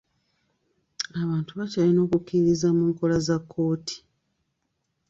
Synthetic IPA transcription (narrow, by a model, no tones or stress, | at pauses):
aβaːntuβacalino̞ːkukːiiɾizamuːŋko̞lazakʰːo̞ːtʰi̥